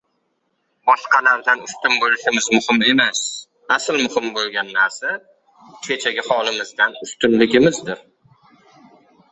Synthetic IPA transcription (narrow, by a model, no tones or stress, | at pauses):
bɒʃqʰɑlaɾd̪anʊst̪ʊmbolɪʃɪmɪzmʊhɪme̞mas | aslmʊhɪmbolˠɡʲanːaɾsa | t͡ʃʰet͡ʃʰaɡʲɪhɒlɪmɪzd̪anʊst̪ʊnlɪɡʲɪmɪzd̪ɪɾ